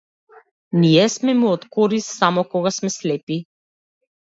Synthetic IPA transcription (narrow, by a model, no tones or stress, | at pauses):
niɛsmɛmuɔt̪kɔɾissamɔkɔɡasmɛslɛpi